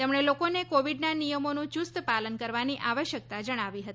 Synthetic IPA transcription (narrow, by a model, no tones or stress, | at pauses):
t̪emɳ̃elokonekoʋiɖnanijəmonũt͡ʃust̪palənkəɾʋaniʔaʋəʃjək̚t̪ad͡ʒəɽ̃aʋiɦət̪i